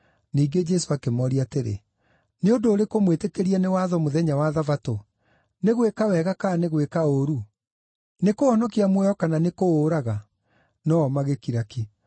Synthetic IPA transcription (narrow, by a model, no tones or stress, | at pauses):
niːɡed͡ʒɛsoakemɔɾiateɾḛ | neondoːɾekomwetekeɾiɛnewaːðɔmoðɛɲawaðavato | neɣwekawɛɣakaneɣwekaoɾu | nekoɔnɔkiamwɛjɔkananekoɾaɣa | nɔmaɣekiɾaki